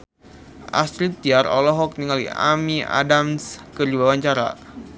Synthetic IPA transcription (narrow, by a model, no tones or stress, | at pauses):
ʔa̰st̪ɾit̪iaɾɔ̰lɔɦɔk̚niŋalḭa̰mia̰damskərd͡ʒiwawaɲt͡ʃaɾa̰